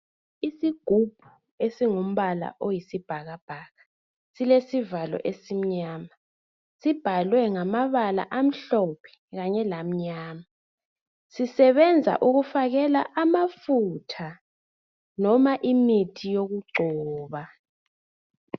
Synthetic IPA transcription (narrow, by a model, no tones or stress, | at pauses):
isiɡ̥ʱub̥ʱu | esiŋom̩βala̰ʔojisib̥ʱaɣab̥ʱaːɣa | silesivalɔ̰ʔesim̩ɲaːma | sib̥ʱalwɛŋamaβala̰ʔam̩ɬɔpʰɛ̥ | ɣaɲɛlam̩ɲaːma | sisɛβɛnd͡zʱa̰ʔuɣufaɣɛla̰ʔamafutʰa | nɔmaʔimitʰijoɣuɡ͡ǀʱɔːβa